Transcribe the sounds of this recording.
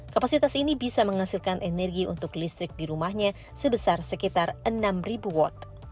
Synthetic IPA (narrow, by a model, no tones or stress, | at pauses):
kapasit̪asinibisaməŋhasilkanʔɛnɛrɡiṵnt̪ʊklist̪ɾɪk̚diɾumahɲa | səbəsarsəkit̪arənamribuwɔ̰t̪̚